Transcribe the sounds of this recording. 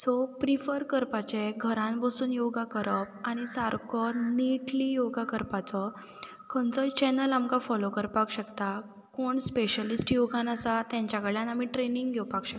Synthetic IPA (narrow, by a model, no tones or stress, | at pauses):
sɔpɾifəɾkəɾpat͡ɕeɡʱəɾãnbəsuːnjoɡʱakəɾəpaɽ̃isaɾkɔniʈlijoɡakəɾpat͡sɔ | kʰənt͡sɔt͡ɕɛnəlamkafɔlokəɾpakɕəkt̪a | koɳspeɕəlisʈjoɡʱãnasat̪jãɲt͡ɕjakəɭjanamiːʈɾeniŋɡɡʱɛwpakɕək̪̚a